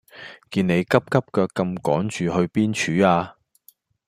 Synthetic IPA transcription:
kiː˧ne˨˧jkɐ˥p̚kɐ˥p̚kœː˧kːɐ˧mkɔː˨˥ŋt͡ʃyː˨ɦɵ˧ɥpiː˥nt͡ʃʰyː˨˥aː˧

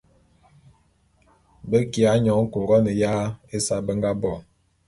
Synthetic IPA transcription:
bə˦ki˨a˨˦ɲɔ˨˦ŋ̩˦ko˨ɡɔ˦nə˨jaː˦e˦sa˦bə˦ŋɡa˦bɔ˦˨

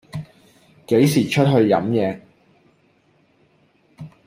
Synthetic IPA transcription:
ke˨˥jsiː˨˩t͡ʃʰɵ˥t̚ɦɵ˧ɥjɐ̰˨˥mjɛː˨˧

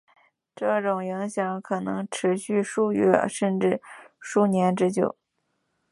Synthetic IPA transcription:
ʈ͡ʂɤ˥˩ʈ͡ʂʊ˨˩ŋji˧˥ŋɕjɑ˧˥ŋkʰɤ˨˩nɤ̰˧˥ŋʈ͡ʂʰɻ̩˧˥ɕy˥˧ʂu˥˧ɥɛ̰˥˩ʂə˥˧nʈ͡ʂɻ̩˥˩ʂu˥˩njɛ˧˥nʈ͡ʂɻ̩˥t͡ɕjo˥˩ʊ

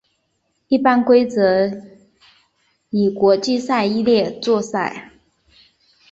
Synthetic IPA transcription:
i˥˩pa˥nkwe˥ɪt͡sɤ˧˥ | i˨˩kwɔ˧˥t͡ɕi˥˧sa˥˩ɪi˥ljɛ˥˧t͡swɔ˥˧sa˥˩ɪ

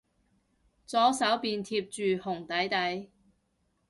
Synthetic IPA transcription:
t͡sɔː˨˥sɐ˨˥wpiː˨˧nt̪ʰiː˧p̚t͡ʃyː˨hʊ˨˩ŋt̪ɐ˨˥jt̪ɐ˨˥j

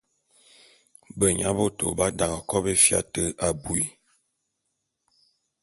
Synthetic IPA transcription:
bə˨ɲa˦bo˦to̰˨ba˦da˨ŋɔ˨kɔ˦be˦fja̰˦˨tə˦ʔa˨bu˨i˨

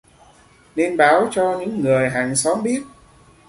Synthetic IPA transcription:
ne˧nɓaː˨˦wt͡ɕɔ˧ɲɨ̰˧˥ŋːɨ˨˩əjɦaː˨˩ŋsɔ˨˦mɓi˦˥ət̚

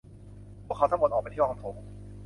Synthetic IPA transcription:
pʰu˥˩kʰa˧˥wt̪a˦˥mo˧t̪ʔɔː˨˩a˧jt̪ʰi˥˩˧a˧˥pʰo˨˩˦m

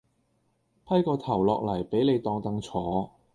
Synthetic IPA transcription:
pʰɐ˥jkɔː˧t̪ʰɐ˨˩wlɔː˨k̚lɐ˨˩jpe˨˥jle˨˧jt̪ɔː˧ŋt̪ɐ˨˧ŋt͡sʰɔː˨˥

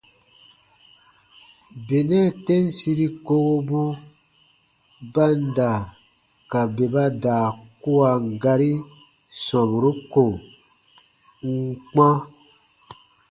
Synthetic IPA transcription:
be˨nɛ̃˦˨tɛ̃˦n˦si˦ɾi˦ko˦ɡo˦bu˦ | ba˦n˦da˨ | ka˨be˨ba˦daː˨ku˦a˨ŋ̩˨ɡa˧ɾi˦ | sɔ̃˨bu˨ɾu˦ko˨ | ŋ̩˦k͡pã˦

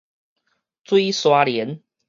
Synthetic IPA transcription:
t͡swi˦swa˦˥ljɛ˨˦n

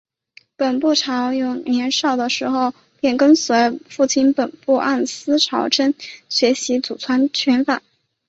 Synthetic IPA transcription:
pə˨˩npu˥˩ʈ͡ʂʰɑ˧˥ʊjʊ˥˩ŋnjɛ˧˥nʂɑ˥˩ʊd̪ə˩ʂɻ̩˧˥xo˥˧ʊ | pjɛ˥˩nkə˥ŋswe˧˥ɪfu˥˩t͡ɕʰi˥npə˨˩npu˥˧ʔa˥˩nsɹ̩˥ʈ͡ʂʰɑ˧˥ʊʈ͡ʂʰə˥nɕɥɛ˧˥ɕi˧˥t͡su˨˩t͡sʰwa˧˥nt͡ɕʰɥɛ˧˥nfa˨˩˦

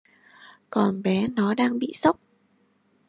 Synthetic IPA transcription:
kɔ˨˩nɓɛ˨˦nɔ˨˦ɗaː˧ŋɓḭ˧˨sə˦˥wk͡p̚

